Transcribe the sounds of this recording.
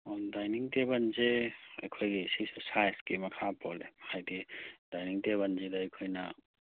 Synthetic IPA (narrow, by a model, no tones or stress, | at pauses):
ɔndajniŋtebɐnzeɐjkʰojɡisisosajskimɐkʰapɔlehajdid̥ajniŋteβɐnzedɐɐjkʰojnɐ